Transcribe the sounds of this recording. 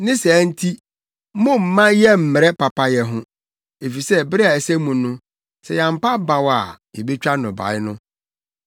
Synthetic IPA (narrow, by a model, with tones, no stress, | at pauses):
nɪ̃˦sæː˨˦n̩˦tʰi˦ | mʊ̃˦m̩˨mã˦jɛ˦m̩˨mɪ˨ɾɛ˦pa˨pʰa˦jɛ˨ɦʊ̃˦ | e˨fi˨sɛ˦bɪ˦ɾɪ˦a˨æ˨sɛ˦mũ˨nʊ̃˦ | sɛ˨jã˨m̩˨pa˦ba˨wa˨ | e˨be˦t͡ɕᶣa˦nʊ̃˨ba̰˨ɪ˦nʊ̃˦